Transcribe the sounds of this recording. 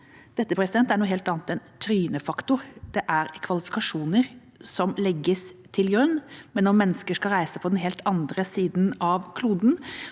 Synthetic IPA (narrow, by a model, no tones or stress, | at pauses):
d̪̥ɛt̪ːəpʰɾɛsɪd̪ɛnt̪æɳuːɦɛːlt̪ɑːnt̪ɛnt̪ʰɾyːnəfɑkt̪ʊɾd̪̥ɛʔæɾkʰʋɑlɪfɪ̥kɑʂuːnəɾ | sɔmlɛɡːəst̪ʰɪlɡɾʉnːmɛnːɔmɛnːəskəʂkɑlɾæɪsəpʰɔd̪ɛnɦeːlt̪ʰɑnd̪ɾəsiːd̪nɑʋkʰluːd̪n̩